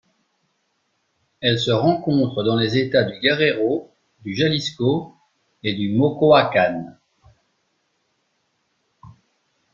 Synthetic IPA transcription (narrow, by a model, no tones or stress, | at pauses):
ɛlsəʁɑ̃kɔ̃t̪χəd̪ɑ̃lezet̪ad̪yɡʲaʁeʁo | d̪yʒalisko | ed̪ymokoakan